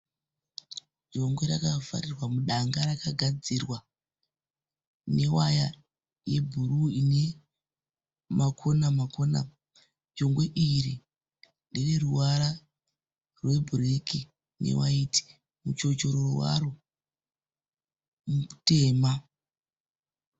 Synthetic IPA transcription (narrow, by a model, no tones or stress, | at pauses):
d͡ʒo̞ŋɡwe̞ɾakava̰rirwamuɗaŋɡaɾakaɡʱad͡zirwa | ne̞waja | je̞bʱuɾuine̞ | makʰonamakona̰ | d͡ʒo̞ŋɡwe̞ʔiɾi | ndire̞ruwaɾa | rwe̞bʱureki | nḛwa̰iti̥ | mut͡ʃo̞t͡ʃo̞ɾowa̰ɾo | mute̞ːma